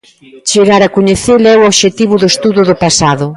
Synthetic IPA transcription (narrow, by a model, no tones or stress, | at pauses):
t͡ʃeɣaɾakoɲeθelɛooβʃet̪iβʊðʊest̪uðʊðʊpasaðʊ